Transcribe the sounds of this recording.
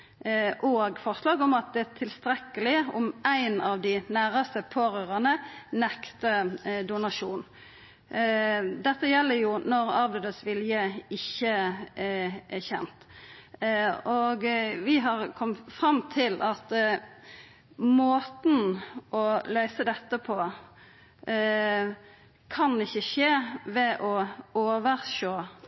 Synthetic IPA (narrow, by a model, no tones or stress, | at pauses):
ʔɔɡfɔʁslɑːɡɔmɑt̪̚d̪ɛæt̪ʰɪlst̪ɾɛkːəlɪɔmæɪnɑʋd̪ɪnæːɾəst̪əpʰoːɾøːʁənənɛkt̪əd̪ʊnɑʂuːn | d̪ɛt̪ːəjɛlːəɾjʊnɔɾɑːʋlød̪əsʋɪljəɪçːə | ʔæçɛ̰nt̪ | ɔɡʋɪɦɑʁkʰɔmfɾɑmːt̪ʰɪlʔɑt̪ | moːt̪n̩ʔɔlœʏsəd̪ɛt̪ːəpʰɔ | kʰɑnɪçːəʃeːʋɛʔɔoːʋəɾʃoː